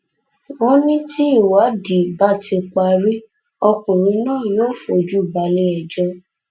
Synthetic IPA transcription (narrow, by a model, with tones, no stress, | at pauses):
o˦nĩ˦ti˦i˦˨wa˨˦di˨ba˦˨ti˧k͡pa˧ɾi˦ | ɔ˧kũ˨ɾ̃ĩ˧˦nãː˦˨joː˦fo˧˨d͡ʒu˦˨ba˧nĩ˧ɛ˨d͡ʒɔ̃˧˦